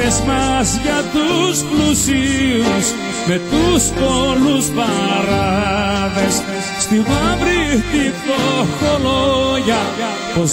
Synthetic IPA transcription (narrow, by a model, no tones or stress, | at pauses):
ezmɐzʝɐt̪usplusius | met̪uspoluspɐɾɐðes | st̪ivɐvɾit̪ipoxoloʝɐ | poz